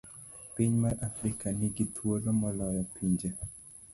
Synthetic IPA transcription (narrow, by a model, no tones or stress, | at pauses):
piɲmaɾafɾikanɪɡit̪ʰwolomɔlɔjɔpʰiɲd͡ʒe